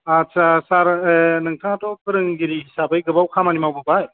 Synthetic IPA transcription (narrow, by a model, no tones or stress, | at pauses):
at͡ʃasaɾnɯŋtʰatɔkɯɾɯŋɡiɾihisabajɡɯbawkʰamanimawbɯbaj